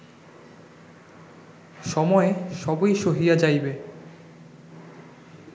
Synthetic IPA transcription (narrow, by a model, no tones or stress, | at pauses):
ʃɔmɔeʃɔbojʃoɦijad͡ʑajbe